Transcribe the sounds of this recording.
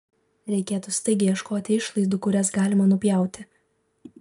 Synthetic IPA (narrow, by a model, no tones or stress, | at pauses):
ɾʲɛɪkʲeːt̪ʊst̪ɐɪɡʲɪjɛʃkoːt̪ʲɪɪʃlˠɐɪzd̪uːkʊɾʲɛsɡɑːlʲɪmɐnʊpʲjɛˑʊt̪ʲɪ